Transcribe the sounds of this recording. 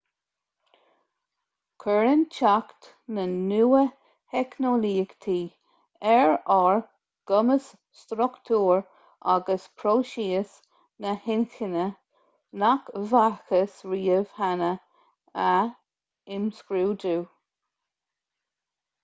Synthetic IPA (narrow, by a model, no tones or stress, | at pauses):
kʰəɹənt͡ʃʰakt̪ | nənuːə | hɛknoliːɡt̪ʰiː | ɛɹɔɹ | ɡ̥ʊməs | st̪ɾʊkt̪ʰuːɹ | ʔa̰ɡəspʰɾoːʃiːəs | nəhɪnxɪnə | nakvaxəsɹiːəv̥hanə | ə | ɪmskɾuːduː